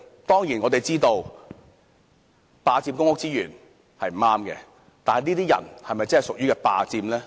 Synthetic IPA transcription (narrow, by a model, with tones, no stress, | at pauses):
t̪ɔː˥ŋjiː˨˩nŋɔː˨˧t̪e˨jt͡siː˥t̪o˧w | paː˨˧t͡siː˧mkʊ˥ŋʊ˥k̚t͡siː˥jyː˨˩n | hɐ˨jm̩˨˩aː˥mkɛ̰ː˧ | t̪aː˨nhɐ˨jniː˥t̪iː˥jɐ̰˨˩nhɐ˨jmɐ˨jt͡sɐ˥hɐ˨˩sʊ˨k̚jyː˥kɛ˧pa̰ː˧t͡siː˧mlɛː˥